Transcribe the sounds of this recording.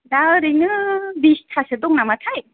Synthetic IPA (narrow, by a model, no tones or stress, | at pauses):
daɾiŋɯbistʰasɯd̪ɔŋnamatʰaj